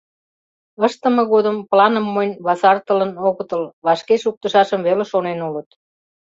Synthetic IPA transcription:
əʃt̪ə̆mɤ̆ɣod̪əmplɑnə̆mːonʲβɑsɑrt̪ələ̆noɣə̆t̪əlβɑʃkeʃuk̚t̪əʃɑʃəmβeleʃonenulət̪

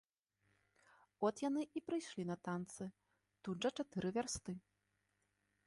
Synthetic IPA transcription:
ɔt̪janɨʔipɾɨjʂlʲinɐt̪ant̪sɨ | t̪ud̪ʐɐt͡ʂat̪ɨɾɨvʲarst̪ɨ

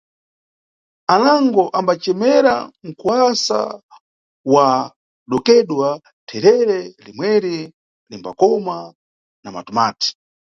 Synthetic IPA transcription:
anaŋɡɔʔambat͡ʃɛmɛɾa̰ŋ̩kwasa̰ | wa | ɗɔkɛɗwa | tʰɛɾɛɾɛlimwɛɾi | limba̰kɔma | nama̰tumaːti̥

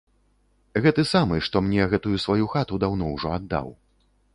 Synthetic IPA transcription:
ɣɛt̪ɨsamɨʂt̪ɔmnʲɛɣɛt̪ujusvajuxat̪ud̪awn̪ɔwʐɔad̪ːa̰w

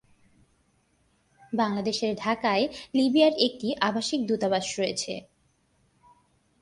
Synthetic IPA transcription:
baŋlad̪eʃeɾɖʱakaelibiaɾek̚ʈiʔabaʃik̚d̪ut̪abaʃɾojet͡ɕʰḛ

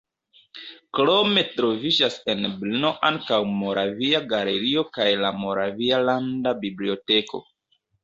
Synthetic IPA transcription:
klo̞me̞tɾo̞vid͡ʒase̞nblinoʔaŋkawmo̞ɾʔaviaɡale̞ɾio̞kajlamo̞ɾavialandabiblio̞te̞ko̞̰

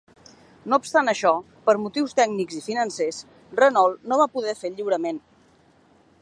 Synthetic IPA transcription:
noupst̪anəʃɔ | pəɾmut̪iwst̪ɛɡnikzifinənses | rənɔlˠnoβapuðɛfeʎiwɾəmen

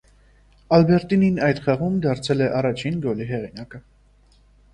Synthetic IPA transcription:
ɑlbɛɾt̪ininɑjt̪χɑʁumd̪ɑɾt͡sʰɛlɛʔɑrɑt͡ʃʰinɡɔliɦɛʁinɑkə

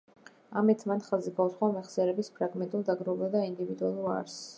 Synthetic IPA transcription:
amɛt̪ʰmanχaziɡausχwamɛχsɛɾɛbispʰɾaɡmɛnt̪ʼulˠd̪aɡɾɔvad̪aind̪ivid̪ualˠuɾa̰ɾs

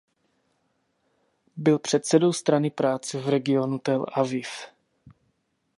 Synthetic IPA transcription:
bɪlpr̝̥ɛt̪sɛdo̞wst̪ɾanɪpɾaːt͡sɛvɾɛɡɪonut̪ɛlʔavɪf

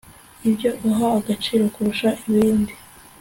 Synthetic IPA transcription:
ibɟo̞ʔuɦaaɡat͡ʃiːɾo̞kuɾuʃaʔiβiːndi

